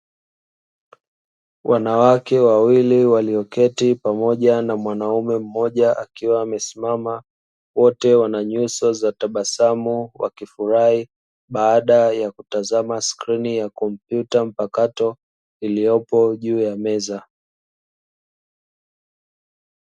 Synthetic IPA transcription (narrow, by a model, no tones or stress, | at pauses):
wʔanawakɛwawiliwaliɔkɛtipamɔʄanamwanaumɛm̩mɔʄaʔa̰kiwaːmɛsimama | wɔtɛwanaɲusɔzataɓasamuwa̰kifuɾai | ɓaːɗajakutazamaskɾinijakɔm̩pjutam̩pakatɔ | ilijɔpɔʄuːjamɛza